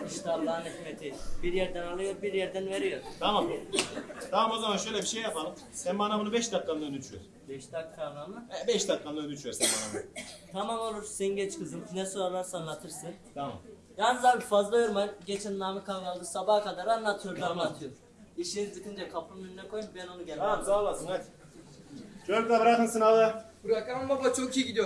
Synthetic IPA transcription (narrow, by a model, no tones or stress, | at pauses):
iʃt̪ʰab̪ˠaːnicmet̪ʰibiɾjæɾd̪ænalˠɯjo̞ɾbiɾjæɾd̪ænve̞ɾijo̞ɾt̪ʰamam | t̪ʰamamo̞zamanʃø̞jlʲɛbiʃejːapʰalˠɯm | sɛnmanamɯnɯbɛʃd̪aklˠanˠɯønyt͡ʃ̪ʰyjo̰ɾ | bɛʃd̪akːanamˠɯɛbɛʃd̪aklˠanˠaønyt͡ʃ̪ʰyjoɾsɛnmanamt̪ʰamamo̞lˠuɾseɟɛt͡ʃkʰɯzɯnnɛsoɾaɾlˠaɾsanlːˠat̪ʰɯɾsɯnt̪ʰama̰m | jaːnizaːbifazlˠajoɾmanɟet͡ʃʰɛnlˠaːmɯkʰaɡalˠd̪ɯsabahkad̪aɾanlːˠat̪ʰɯjoɾanlˠat̪ʰɯjoɾ | iʃininzɯkʰɯnd͡ʒakʰapʰɯøninɛko̞jumbɛno̞nuɟɛlʲɛzaasɯnat̪ | d͡ʒʰøɾklabɯɾakɯnsɯnalˠɯbɯɾakammabat͡ʃʰokʰijiɡɟid̪ijoɾ